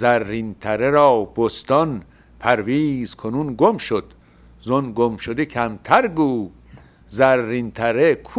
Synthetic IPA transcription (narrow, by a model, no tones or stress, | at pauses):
zæɾːint̪ʰæɾeɾɒːb̥ost̪ɒn | pʰæɾviːzkʰonunɡomʃod̪̥ | zonɡomʃod̪ecʰæmt̪ʰæɾɡuː | zæɾːint̪ʰæɾekʰ